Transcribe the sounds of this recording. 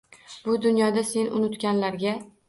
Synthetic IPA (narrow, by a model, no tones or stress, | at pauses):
b̥ʊd̪ʊnjɒd̪ase̞nʊnʊt̪ɡʲanlaɾɡʲa